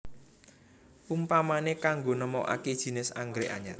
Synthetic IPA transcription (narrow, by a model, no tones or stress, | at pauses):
umpamanekaŋɡonəmɔʔa̰ked̥ʒ̥i̤nɪsa̰ŋɡɾeʔa̰ɲat̪̚